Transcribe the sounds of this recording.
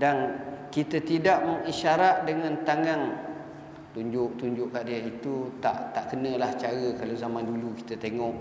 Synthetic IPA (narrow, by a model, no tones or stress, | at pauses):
dankit̪ət̪idaʔməŋiʃaɾat̪̚dəŋãnt̪aŋaŋ | t̪uɲd͡ʒʊʔt̪uɲd͡ʒʊʔkaʔdiait̪ut̪aʔt̪aʔkənə̃laht͡ʃaɾəkalawzamanduluki̥t̪ət̪eŋɔʔ